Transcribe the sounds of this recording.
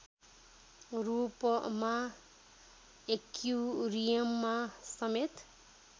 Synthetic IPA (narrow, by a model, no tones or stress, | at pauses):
rupʌma | ekjurijʌmːasʌmet̪